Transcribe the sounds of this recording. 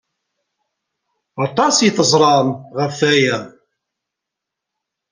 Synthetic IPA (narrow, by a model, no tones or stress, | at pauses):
ɑt̪ˤɑsjt̪əzˤɾˤɑmʁəfːæjæ